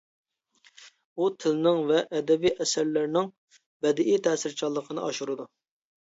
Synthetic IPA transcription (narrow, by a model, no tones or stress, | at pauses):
ut̪ʰɪlnɪŋvɛʔːd̪ɛbijʔɛsæɾlɪɾnɪŋ | vɛd̪ɪʔijt̪ʰɛːsɪɾt͡ʃʰɑlˠːəqʰənɨɑʃuɾɨd̪u